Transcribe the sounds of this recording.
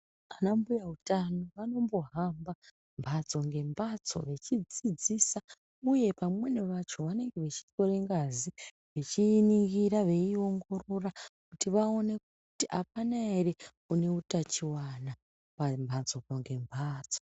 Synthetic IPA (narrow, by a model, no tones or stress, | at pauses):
anambujautanoʋano̞mbo̞ɦamba | mbʱat͡so̞ŋɡe̞mbat͡so̞̰ʋe̞t͡ʃid͡zid͡zisa | uje̞pamwe̞neʋat͡ʃoʋane̞ŋɡe̞ʋet͡ʃi̥to̞ɾeŋɡazi | ʋet͡ʃiːniŋɡiɾaʋe̞io̞ŋɡo̞ro̞rakutiʋao̞ne̞k̚uutiʔapanaere | une̞utat͡ʃiwana | pambʱand͡zokoŋɡe̞mbʱaːt͡so̥